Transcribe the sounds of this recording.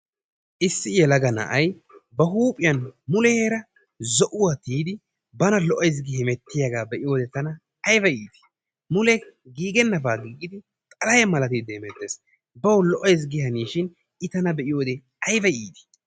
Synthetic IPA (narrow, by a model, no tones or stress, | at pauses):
ʔɪsːɪjɛlɐɡɐnɐ̰ʔɐj | bɐɦuːpʼɪjɐnmʊlɛheːɾɐ | zɔʔʊwat̪iːd̪ɪ | bɐnɐlɔʔɔjs̬ɡɪhɛmɛt̪ːɪjaɡaːbɛʔɪjo̞ːd̪ɛt̪ɐnɐː | jbɐiːt̪ɪ̥ | mʊlɛɡiːɡɛnːɐfaːɡiːɡɪd̪ɪ | t̪ʼɐlɐjɛmɐlɐt̪id̪ɛhmɛt̪ːeːs | bɐwlɔʔɔjs̬ɡɪɦɐniːʃɪn | ɪt̪ɐnɐbɛʔɪjoːd̪ɛ | ɐjbɐjiːt̪ɪ̥